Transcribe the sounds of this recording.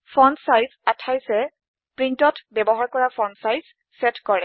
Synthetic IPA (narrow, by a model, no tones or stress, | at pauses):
fʰɔnsajzatʰajsɛ | pɹintɔtbɛbɔɦaɹkɔɹapʰɔnsajz | sɛtkɔɹɛ